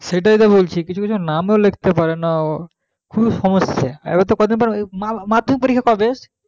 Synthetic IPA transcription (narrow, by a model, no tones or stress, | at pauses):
ʃeʈait̪abolt͡ɕʰikit͡ɕʰukit͡ɕʰunamelek̚ʰt̪epaɾena | kʰubʃɔmosːeaḛbat̪okɔd̪inpaɾemamad̪ʱomipoɾikʰːakɔbeʃ